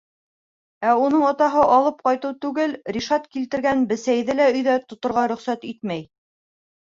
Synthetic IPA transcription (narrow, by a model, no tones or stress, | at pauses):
æunɤɴŏt̪ɑɦɤʔɑlˠɤp̚qɑjt̪ɤwt̪ʉɡɘlɾiʃɑt̪kilt̪ɘ̆ɾɡænbɘ̆sæjðɘlæɵ̆jðæt̪ŏt̪ŏɾʁɑɾɵ̆χsæt̪it̪̚mæj